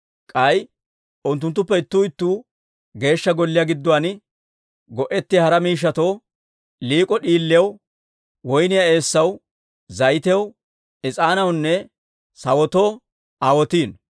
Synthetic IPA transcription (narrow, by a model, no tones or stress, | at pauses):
kʼɐj | ʔʊnt̪ːʊnt̪ːʊpːɛɪt̪ːuːɪt̪ːuː | ɡe̞ːʃːɐɡɔlːɪjaɡɪd̪ːɔwanɪ | ɡɔʔɛt̪ːɪhɐɾɐmiːʃ̬ːɐt̪o̞ː | liːkʼɔɗiːlːɪɐw | wɔjnɪjae̞ːsːɐw | zɐjt̪ɛw | ɪt͡sʼaːnɐwnːɛ | sɐwɔt̪o̞ː | aːwɔt̪iːn